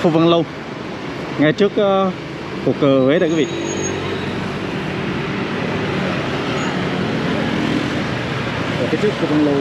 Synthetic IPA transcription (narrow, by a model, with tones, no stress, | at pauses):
fṵ˧˩və˧˩ŋlə˧w | ŋa˧jt͡ɕɨ˦˥ək̚ | ku˨˩əkːəː˨˩veː˨˦ɗaː˧˨kwvḭ˧˨ʔ | aː˨˩ka˨˦t͡ɕɨ˦˥ək̚fu˧˩və˨˧˩nlə˧